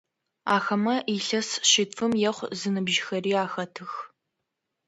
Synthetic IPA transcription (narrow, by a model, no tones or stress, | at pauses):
aːxɐmɐʔiɬɐsɕɪtfʰɨmjɛχʷzɨnɨbʒxɐriːaːxɐtʰɨx